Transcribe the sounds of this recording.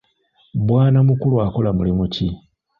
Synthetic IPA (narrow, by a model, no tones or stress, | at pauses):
bwaːnamukuluako̞lamulimuci